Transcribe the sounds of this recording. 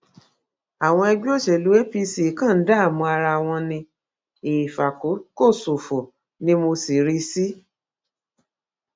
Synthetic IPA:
a˨w̃ɔ̃˧ɛ˧ɡ͡bo˦˨ʃɛ˨lu˨˦e˦pi˧si˦˨kã˦˨n̩˦da˦a˦˨mũ˧a˧ɾa˧˨w̃ɔ̃˧nĩ˧ | e˨fa˨ko˨˦ko˦˨so˨fɔ˨ | nĩ˦mo˧si˨ɾi˧si˦

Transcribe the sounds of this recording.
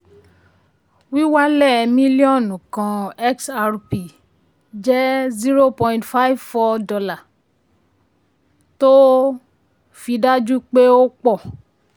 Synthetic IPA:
wi˦wa˦lɛ˦˨mĩ˦li˦ɔ̃˦˨nũ˨kã˧ɛ˦ksa˧ɾpi˨ | d͡ʒɛ˦zi˦ɾo˦pɔ̃˧ĩ˦ntfa˦i˦vfɔ˦dɔ˧la˦˨ | to˦ | fi˧da˦d͡ʒu˦k͡pe˦o˦k͡pɔ˦˨

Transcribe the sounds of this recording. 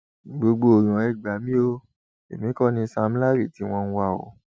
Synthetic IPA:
ɡ͡bo˧ɡ͡bo˧o˨ɾ̃ɔ̃˨˦ɛ˦˨ɡ͡ba˨˦mĩ˦o˦ | ḛ˨mĩ˨˦kɔ˦˨nĩ˧sa˧m̩˦la˦ɾi˦˨ti˨˦w̃ɔ̃˧n̩˦wa˧˨ɔ̰˨˦

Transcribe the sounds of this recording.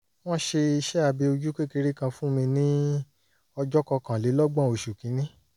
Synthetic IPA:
w̃ɔ̃˦ʃe˧i˧ʃɛ˦a˧be˧o˧d͡ʒu˦ke˦ke˧ɾi˦kã˧fũ˦mĩ˧nĩ˦ | ɔ˧d͡ʒɔ˦kɔ˧kã˨le˨˦lɔ˦ɡ͡bã˦˨o˨ʃu˨kĩ˨˦nĩ˦

